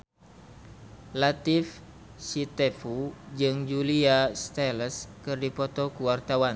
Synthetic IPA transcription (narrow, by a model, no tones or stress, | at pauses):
lat̪if | sit̪ɛfud͡ʒɨŋd͡ʒuliast̪ɛləskɨrdipɔt̪ɔkuwart̪awan